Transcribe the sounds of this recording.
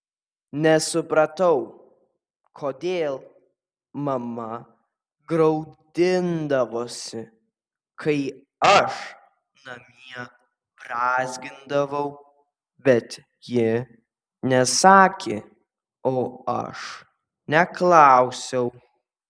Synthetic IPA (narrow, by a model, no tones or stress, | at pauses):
nʲɛsʊpɾɐt̪ɐʊ | kʰoːd̪ʲeːlˠ | mɐmɐ | ɡɾɐʊd̪ʲɪnd̪ɐʋoːsʲɪ | kʰɐɪ | ɐʃ | nɐmʲiɛ | b̥ɾɑːzʲɡʲɪnd̪ɐʋɐʊ | bʲɛt̪ | jɪ | nʲɛsɑːkʲeː | oːɐ̰ʃ | nʲɛklˠɑʊsʲɛʊ